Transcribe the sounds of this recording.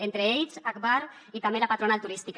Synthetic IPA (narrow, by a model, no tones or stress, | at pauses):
ent̪ɾeeʎsakbaɾ | it̪amelapat̪ɾonalt̪uɾist̪ik